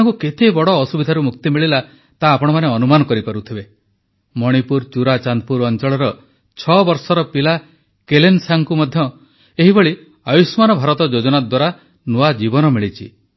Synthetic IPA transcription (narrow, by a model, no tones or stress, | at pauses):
aŋkuket̪ʰebɔɽɔːsubid̪ʱaɾumukt̪imiɭila | t̪aːpɔɽ̃ɔmaneɔnumanɔkɔɾipaɾut̪ʰibe | mɔɽ̃ipuɾt͡ʃuɾat͡ʃand̪̚puɾɔnt͡ʃɔɭɔɾɔ | t͡ʃʰɔbɔɾsɔɾɔpila | kelensaŋkumɔd̪ʱjɔ | eɦibɔɭi | ajusmanɔbʱaɾɔt̪ɔd͡ʒod͡ʒɔɽad̪waɾa | nuad͡ʒibɔnɔmiɭit͡ʃʰḭ